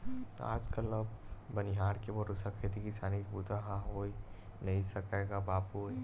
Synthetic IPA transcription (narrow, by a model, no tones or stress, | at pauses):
a̰ːd͡ʒkələbbəniɦaːɾkeboɾʊsakʰeːt̪ikisaːnikbuːt̪aɦãoinɐɦĩsɐkeɡabaːpu